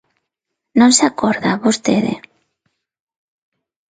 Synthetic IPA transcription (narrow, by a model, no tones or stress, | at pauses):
nõnsakoɾðaβost̪eðḛ